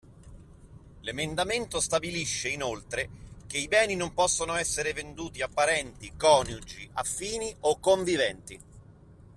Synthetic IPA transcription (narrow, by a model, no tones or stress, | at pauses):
lemend̪ament̪ost̪abiliʃːeinolt̪ɾek̟eibɛːninompɔsːonoɛsːeɾevend̪uːt̪iapːaɾɛnt̪ikɔːnjud͡ʒiʔafːiːniokːoɱvivɛnt̪i